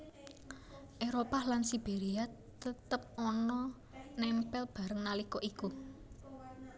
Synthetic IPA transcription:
ʔeɾopalansib̥eɾia | t̪ət̪əp̚ɔnɔ | nɛmpɛlb̥ä̤ɾəŋnalikɔʔiku

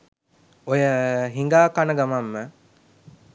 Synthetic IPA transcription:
ojəɦiŋɡaːkanəɡamamːə

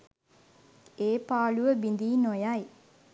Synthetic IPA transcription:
eːpaːɭuʋəbind̪iːnojaj

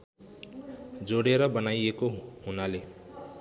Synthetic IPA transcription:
d͡zoɽeɾʌbʌnajekoɦunale

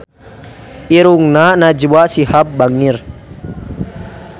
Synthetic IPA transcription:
iɾuŋnanad͡ʒuwaʔsihap̚baŋir

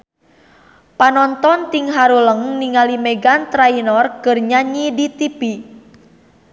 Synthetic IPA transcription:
panɔnt̪ɔnt̪iŋɦaɾuləŋniŋalimɛɡant̪ɾainɔrkərɲaɲidit̪ipi

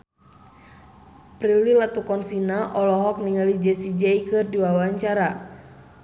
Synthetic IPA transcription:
pɾililat̪ukɔnsinaʔɔlɔɦɔk̚niŋalid͡ʒɛsid͡ʒɛikɨrdiwawaɲt͡ʃaɾa

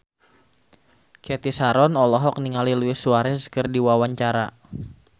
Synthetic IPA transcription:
kɛt̪isaɾɔnɔlɔɦɔk̚niŋaliluɪsuaɾɛskərdiwawaɲt͡ʃaɾa

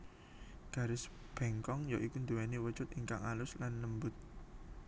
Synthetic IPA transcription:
ɡ̥a̤ɾɪsb̥ɛŋkɔŋjɔʔikund̪uwɛniwə̥t͡ʃʊt̪iŋkaŋalʊslanːəmbʊt̪̚

